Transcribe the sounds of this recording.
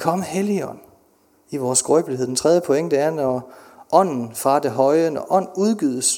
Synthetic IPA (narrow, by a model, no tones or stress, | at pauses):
kʰɒ̽məheliɒn | iʋɒːsɡ̥ɔɪb̥lieð̰ˠd̥ent͡sʰʁɛð̞ˠjəpʰo̽eŋ̰d̥eæɐnɒʔɒ̽n̰n̩fʁɑ̈d̥e̝ɦɒ̽ɪənɒʔɒ̽n̰uð̞ˠɡ̥yðˠəs